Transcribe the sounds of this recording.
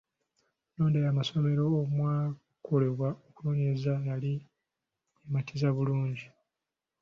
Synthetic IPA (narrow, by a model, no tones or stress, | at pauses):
noːndejaːmaso̞me̞ɾo̞ːmwaː | kʰo̞le̞βwaokunoːɲezanali | ematʰizaβuluːɲɟi